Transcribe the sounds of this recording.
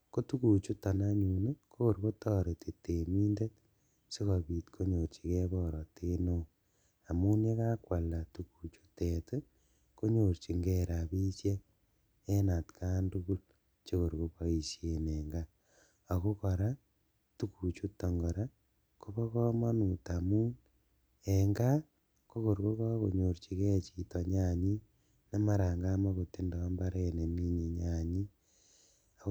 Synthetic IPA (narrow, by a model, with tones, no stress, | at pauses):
ko˦tu˦ku˨t͡ʃu˦ta˨na˦ɲu˨ne˦ko˦ko˨ɾko˦tɔː˦ɾe˨te˨te˨mi˦nde˦t̚ | se˦kɔ˨bi˨tkʰo˦ɲo˨ɾt͡ʃi˨kɛ˦bɔ˦ɾɔ˨te˦no˦˨ | a˨mu˦ne˦ka˦kwa˨la˨tu˨ku˨t͡ʃu̥˦te˨te˦ | ko˦ɲo˨rt͡ʃi˨ŋɡɛɾa˨pi˦sje˦ | ɛ˦na˨tkʰa˦ntu˦ku˦l | t͡ʃe˦ko˨ɾko˦pa˦i˨sje˨ne˨ŋɡaː˦˨ | ko˦ko˨ɾa˦ | tu˦ku˨t͡ʃu˦to˨ŋɡo˨ɾa˦ | ko˦βo˦ko˦ma˦nu˨ta˨mu˦n | eŋɡa˦ | ko˦ko˨ɾiko˦ko˦a˦koɲo˨ɾt͡ʃi˨ɣe˦t͡ʃi˨to˨ɲaɲi˦ | na˦ma˦ɾaː˨ŋɡaː˦ma˦ɣo˨ti˦nda˨a˦mba˦ɾene˨mi˦ɲe˨ɲaɲi˦ | a˨